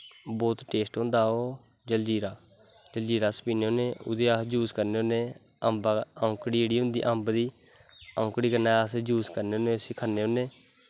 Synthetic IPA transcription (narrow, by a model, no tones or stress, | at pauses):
bɔːt̪ʈeːsʈɦõnd̪aːɦoː | d͡ʒəld͡ʒiːɾaː | d͡ʒəld͡ʒiːɾaːsə̥piːneːɦʊ̃neːʊ̰d̪eːasd͡ʒuːskəɾneːɦõnẽː | əmbaʊkɽiːeːɽiːɦʊ̃nd̪ḭːʔəmbd̪iː | ãʊkɽiːkəɾnaːasd͡ʒuːskəɾneːɦʊneːəsɪkʰənːeːʊneː